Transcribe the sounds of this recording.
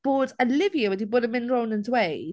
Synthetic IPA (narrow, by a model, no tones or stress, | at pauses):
b̥oːdəlɪviəwədiboːdəmɪ̃nɹoːnə̃nzweɪ